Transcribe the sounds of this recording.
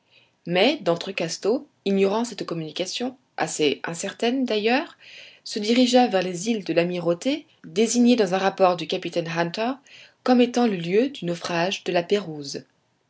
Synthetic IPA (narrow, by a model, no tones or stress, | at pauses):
mɛd̪ɑ̃t̪χəkast̪o | iɲɔʁɑ̃sɛt̪kɔmynikasjɔ̃ | a̰seɛ̃sɛʁt̪ɛnd̪ajœːʁsəd̪iʁiʒavɛʁlezild̪əlamiʁot̪e | d̪eziɲed̪ɑ̃zɛ̃ʁapɔʁd̪ykʲapit̪ɛnɦãnt̪ɛʁ | kɔmet̪ɑ̃ləljød̪ynɔfχaʒd̪əlapeʁuz